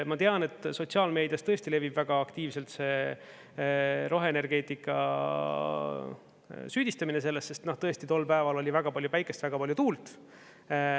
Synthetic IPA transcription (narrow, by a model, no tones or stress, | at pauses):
mɑt̪eɑne̞t̪ːˑso̞tsiɑlme̞ːd̪jɑst̪ɤ̞e̞st̪ile̞vib̥væɡ̥ɑːkt̪iːvse̞lt̪se̞ | ɾo̞ɦe̞ːne̞rɡ̥e̞ːt̪ˑikːˑɑ̰ | syːd̪ist̪ɑmine̞se̞lːesːe̞st̪noht̪ɤ̞e̞st̪it̪o̞lːpæevɑlo̞lʲivæɡ̥ɑpɑlʲjupæjkˑe̞st̪væɡ̥ɑpɑlʲjut̪uːlt̪